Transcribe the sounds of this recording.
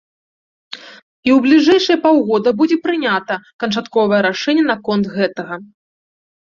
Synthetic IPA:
iwblʲiʐɛjʂɨjɐpawɣɔd̪ɐbud͡zʲɛpɾɨnʲat̪ɐkɐnt͡ʂat̪kɔvɐjɐɾaʂɛnʲːɐnɐkɔnt̪ɣɛt̪ɐɣɐ

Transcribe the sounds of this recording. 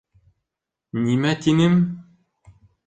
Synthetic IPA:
nimæt̪inɘm

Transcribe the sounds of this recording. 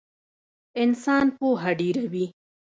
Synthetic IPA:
ɪnsɑːnpoɦaɖiɾawi

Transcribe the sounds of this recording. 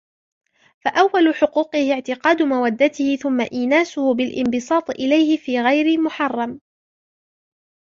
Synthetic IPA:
faʔawːalʊħʊquːqɨhɪʕt̪ɪqɑːd̪ʊmawad̪ːat̪ɪhɪθʊmːaʔiːnaːsʊhʊbɪlʔɪmbɨsˤɑːt̪ˤʔɪlajhɪfiːɣajɾɪmʊħɑrˤːɑm

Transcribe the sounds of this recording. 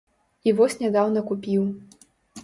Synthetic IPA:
ivɔsʲnʲad̪awnɐkupʲiw

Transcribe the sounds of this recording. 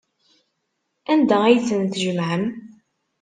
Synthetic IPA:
ænd̪ææjt͡sːənθʒəmʕəm

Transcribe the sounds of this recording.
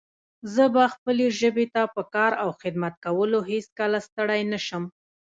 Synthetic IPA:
zəbaxpəleʒəbet̪apəkɑɾawxɪd̪mat̪̚kawəloɦeskəlast̪əɽajnaʃəm

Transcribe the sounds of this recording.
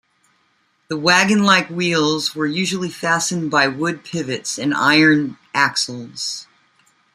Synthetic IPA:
ðəwæɡɨ̃nlaɪkwilˠzwə˞jʉʒl̩ˠifæsɨ̃nbaɪwʊd̚pʰɪvɨtsɨ̃na̰ɪə̃˞nʔæksl̩ˠz̥

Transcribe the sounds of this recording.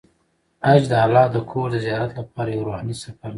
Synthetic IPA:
ad͡ʒd̪əalːɑd̪əkʰoɾd̪əzijɑɾat̪lapɑɾajawɾuhɑnisafaɾna

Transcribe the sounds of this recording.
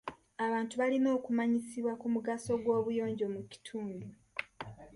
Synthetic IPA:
aβaːntuβalino̞ːkumaɲisiβwakumuɡaso̞ɡwo̞ːβujo̞ːɲɟo̞muci̥tʰuːndu

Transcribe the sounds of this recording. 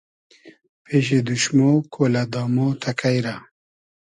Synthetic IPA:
pʰeɕed̪uɕmokʰoːlad̪ɑːmoːt̪ʰɐkʰajɾa

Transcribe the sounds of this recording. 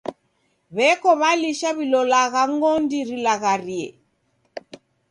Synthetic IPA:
βɛkɔβaliʃaβilɔlaɣaŋɡɔndiɾilaɣaɾiɛ̰

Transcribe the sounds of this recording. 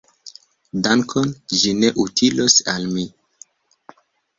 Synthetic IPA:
daŋkʰond͡ʒine̞ʔutʰilosalmi

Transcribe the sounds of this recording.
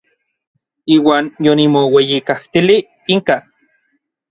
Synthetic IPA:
iːwaːnjonimowejikaht̪ili | iŋka

